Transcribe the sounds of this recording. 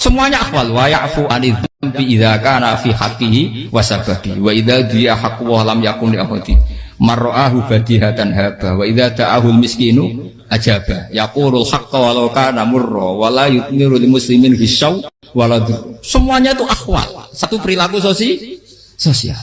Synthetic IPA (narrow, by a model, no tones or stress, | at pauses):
səmuaɲaʔaxwalwajaʔfuʔanɪðambiʔiðakanafiħaqːiɦiwasababiwaʔiðad̪iaħakːuwɔhlamjakunliʔaxɔ̰t̪imarːɔʔaɦufat̪iɦat̪anɦab̥ahwaiðad̪aʔaɦualmɪskiːnu | ʔad͡ʒab̥ahjakunalħaqːwalawkanamʊrːɔ̰walajʊt̪̚mɪɾulmʊsliminfiʃaw | walad̪usəmuaɲat̪uʔahwa̰lsat̪upəɾilakus̬osi | sosia̰l